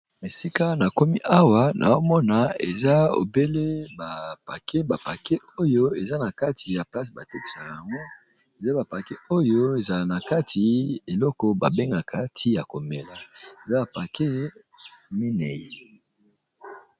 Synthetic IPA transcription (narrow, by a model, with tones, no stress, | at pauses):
me˨si˦ka˦na˨ko˦mi˦ʔa˦wa˦nʔa̰˨o˦mɔ˦na˨ḛ˨za˦o̰˨be˦le˦ba˨pa˨ke˦ba˨pa˨ke˦o˦jo˦e˨za˦na˨ka˦tʰi˨ja˨pla˦si˨ba˨te˦ki̥˨sa˨ka˨a˨ŋɡo˦ | e˨za˦ba˨pa˨ke˦o˦jo˦e˨za˨lna˨ka˦tʰi˨e˨lɔ˦kɔ˨ba˨be˦ŋɡa˨kʰa˨tʰi˦ja˨ko˨me˨la˨e˨za˦ba˨pa˨kʰe˦ | me˦ne˨je˦